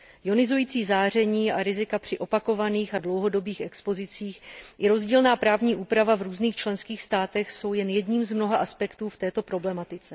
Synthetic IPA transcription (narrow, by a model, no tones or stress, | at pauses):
jo̞nɪzujiːt͡siːzaːr̝ɛɲiːaɾɪzɪkapr̝̥ɪʔo̞pako̞vaniːxadlowɦo̞do̞biːxɛkspo̞zɪt͡siːxjɛɾo̞zɟiːlnaːpɾaːvɲiːʔuːpɾavavɾuːzniːxt͡ʃlɛnskiːxst̪aːt̪ɛxso̞wjɛnjɛdɲiːmzmno̞ɦaʔaspɛkt̪uːft̪ɛːt̪o̞pɾo̞blɛmat̪ɪt͡sɛ